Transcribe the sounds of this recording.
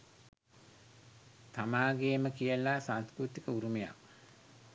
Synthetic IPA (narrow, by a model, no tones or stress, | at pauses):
samaːɡeːməkijəlasanskɾut̪ikəuɾumeja̰k